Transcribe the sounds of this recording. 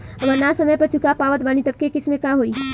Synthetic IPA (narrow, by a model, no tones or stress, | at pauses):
ɐʋəɾnasɐməjpɐɾt͡ʃʰʊkapaːʋət̪baːnit̪ɐb̚kekɪsmẽkaɦoːiː